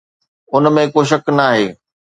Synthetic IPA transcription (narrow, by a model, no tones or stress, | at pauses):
ʊnmẽkoːʃ̬ɐknaːɦeː